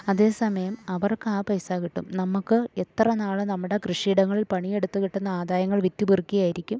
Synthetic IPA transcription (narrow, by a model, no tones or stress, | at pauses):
ɐðe̞ːsɐmɐjɐmɐʋɐrkaːpɐjsaːɣiʈːṵmnɐmːukːɨe̞t̪rɐnaːɭɨnɐmːuɽe̞krɨʂiːɽɐŋːɐɭilpɐɳije̞ɽut̪ːuɣiʈːunːɐaːd̪aːjɐŋːɐɭʋitːubirkːijaːjiɾikʲːum